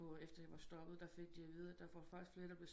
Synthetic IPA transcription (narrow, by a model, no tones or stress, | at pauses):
ɒ̽efd̥ɐjɑʋɑ̈sd̥ɒ̽ɡ̥əð̞̩ˠd̥ɑ̈feɡ̥̚d̥iɑɪʋið̞ˠɐd̥æʋɑ̥fɑ̈ɡ̥d̥isɡ̥fle̝ɐd̥ɑb̥le̝